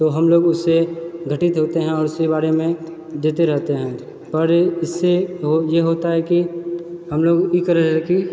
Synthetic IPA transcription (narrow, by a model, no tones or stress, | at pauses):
t̪oɦɐmloːɡʊsːeɡʱəʈɪt̪ɦoːt̪eɦɛ̃ɔːɾʊsibaːɾemẽ | d̪eːt̪eɾɛɦt̪eɦɛ̃ː | pɐɾɪsːeɦojeɦoːt̪aɦɛkiɦɐmloːɡikəɾəɛki